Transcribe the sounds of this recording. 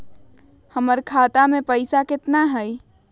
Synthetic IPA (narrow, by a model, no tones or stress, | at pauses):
həməɾkʰat̪amepəɪsakɪt̪naɦəj